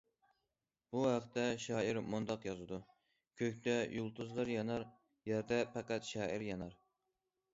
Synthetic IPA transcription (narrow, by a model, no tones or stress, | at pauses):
b̥uhæqt̪ɛʃɑːiɾmund̪ɑqjɑzɨd̪u | kʲʰøkʲt̪ʰɛjolˠt̪ʰuzlɑɾjɑnɑɾ | jæɾd̪ɛpæqæt̪ʃɑːiɾjɑnɑɾ